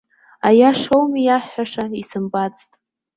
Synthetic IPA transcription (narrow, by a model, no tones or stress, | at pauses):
ajaʂowmijaħaʂaisɨmbat͡sʼtʼ